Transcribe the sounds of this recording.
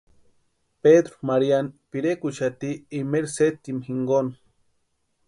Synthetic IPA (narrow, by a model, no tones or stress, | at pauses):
ped̪ɾumaɾjanpiɾekuʃat̪iːmeɾset̪imxiŋɡon